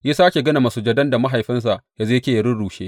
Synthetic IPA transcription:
ja˦saː˦kʲe˨ɡɐ˦na˨ma˨su˦d͡ʒɐ˦dɐ˦nda˨ma˦ɦa˨jɸɪ˦ns̬a˨ʔja˦zeː˦kʲeː˦jɐ˨ɾʊ˦nɽuː˨ʃe˦

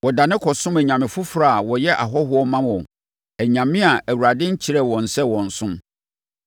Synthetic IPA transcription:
wɔ˨da˨nɪ̃˦kʰɔ˨sʊ̃˦mæ˨ɲã˨mɪ̃˨fʊ˦fɾa˦˨wɔ˨jɛ˦ʔa̰˨ɦɔ˦ɦʊ˦ɔ˦mã˦mɔ̃˨ | æ˨ɲã˨mɪ̃˦a˨ʔæ˨wu˨ɾa˨dɪ̃˦ɲ̩˦t͡ɕʰi˨ɾɛ˦wɔ̃˨n̩˨sɛ˦wɔ̃˨n̩˨sʊ̃˦m

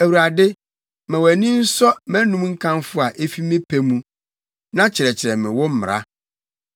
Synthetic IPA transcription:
æ˨wu˨ɾa˨dɪ˦ | mɛ̃˨wæ˨nĩ˦n̩˦sɔ˦mɛ̃˦nũ˦mŋ̩˦kʰã˦nfʊ˦a˨ʔe˦fi˦mɪ̃˦pʰe˦mũ˦ | nã˦t͡ɕʰɪ˨ɾɛ˨t͡ɕʰɪ˨ɾɛ˨mɪ̃˨wɔ˦m̩˦m˨ɾa̰˦

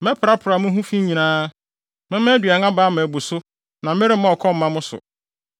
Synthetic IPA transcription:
mɛ̃˦pʰɾa˦pʰʊ˨ɾa˨mʊ̃˦ɦũ˦fĩ˦ɲĩ˨nãː˦ | mɪ̃˦mɛ̃˦dɥa˨ŋã˦baː˦m̃˨bu˨sʊ˦ | nã˨m˦ɪ̃˦ɾɪ˦ã˦ɔ˨kʰɔ˦m̩˨˦mã˦mʊ̃˦sʊ̰˨

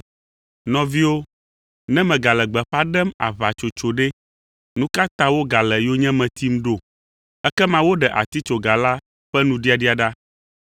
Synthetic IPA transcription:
nɔ̃˨vi˦wo˦ | nɛ̃˦mɛ̃˨ɡa˨lɛ˨ɡ͡bɛ˨ɸa˦ɖɛ˦ma̰˨va˨t͡ʃo˨t͡ʃo˨ɖe˦ | nũ˦ka˦t̪ã˦wo˦ɡa˨lɛ˨jo˦ɲɛ̃˦mɛ̃˨t̪i˦m˦ɖo˦˨ | ɛ˦kɛ˦mã˦wo˦ɖɛ˨ʔa̰˨t̪i˦t͡ʃo˨ɡa˨la˦ | ɸɛ˦nũ˦ɖi˦a˨ɖi˦a˨ɖa˦

